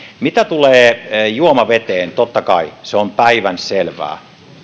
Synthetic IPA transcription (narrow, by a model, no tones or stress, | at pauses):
mit̪æt̪uleːjuomɑʋet̪eːnt̪ot̪ːɑkɑiseompæiʋænselʋæ̰ː